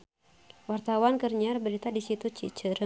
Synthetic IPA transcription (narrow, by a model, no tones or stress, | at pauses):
wart̪awankərɲarbəɾit̪adisit̪ut͡ʃit͡ʃəɾə